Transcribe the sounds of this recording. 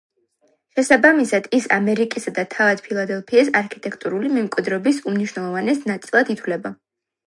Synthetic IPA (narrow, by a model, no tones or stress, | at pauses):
ʃɛsabamisad̪̥isa̰mɛɾikʼisad̪at̪ʰavad̪̥pʰilˠad̪ɛlˠpʰiːsaɾkʰit̪ʼɛkʰt̪ʼuɾulimɛmkʼwid̪ɾɔbisumniʃwnɛlˠɔvanɛsnat̪sʼilˠad̪it̪ʰwlɛba